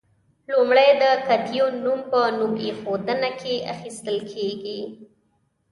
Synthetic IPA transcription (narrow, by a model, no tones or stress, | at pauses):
lumɽəjd̪əkat̪ijonumpənumexod̪ənakʰeʔa̰xist̪əlkʰeɡi